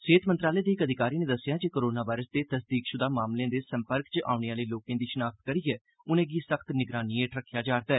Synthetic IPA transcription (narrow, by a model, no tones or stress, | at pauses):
seːt̪mənt̪ɾaːlɛeːd̪eːɪkəd̪ʱɪkaːɾiːnẽːd̪əsːɪjaːd͡ʒekoːɾoːnaːʋaːɪɾəsd̪eːt̪əsd̪iːkʃʊd̪aːmaːmlejãːd̪eːsəmpəɾkt͡ʃʔa̰ːuneaːləiːloːkẽːd̪iːʃənaːkt̪kəɾiːɛː | ʊnẽːɡiːsəkʰt̪nɪɡɾaːniːeːʈɾəkʰːjaːd͡ʒaːɾd̪aːɛː